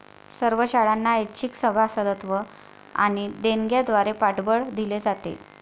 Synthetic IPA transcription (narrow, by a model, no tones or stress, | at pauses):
səɾʋəɕaɭanːaet͡ɕʰiksəbʱasəd̪ət̪ʋə | a̰ɽ̃id̪eŋɡjad̪ʋaɾepaʈbəɭd̪iled͡zat̪ḛ